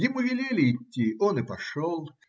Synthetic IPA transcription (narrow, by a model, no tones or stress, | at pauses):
jɪmuvʲɪlʲelʲɪːt̪ʲːiɔnɨpɐʂolˠ